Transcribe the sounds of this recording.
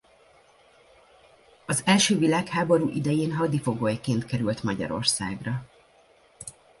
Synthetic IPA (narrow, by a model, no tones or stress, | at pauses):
ɒzɛlʃøːvilaːkhaːbo̞ɾuːʔid̪ɛjeːnɦɒd̪ifo̞ɡojkeːnt̪kɛɾylt̪mɒɟɒ̰ɾo̞̰rsa̰ːɡrɒ